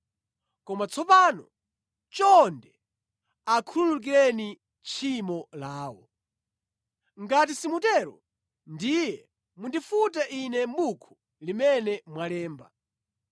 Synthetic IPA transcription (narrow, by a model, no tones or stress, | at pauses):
kɔmat͡sʰɔpanɔ | t͡ʃɔndɛ | akʰululuk̬iɾɛni | t͡ʃʰimɔlaːwɔ̰ | ŋɡat̬isimutɛɾɔ̰ | ndijɛ | mundifutaʔinɛmbukʰu̥ | limɛnɛmwalɛːmba̰